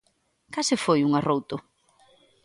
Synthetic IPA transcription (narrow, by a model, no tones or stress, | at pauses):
kasɪfojuŋarowt̪ʊ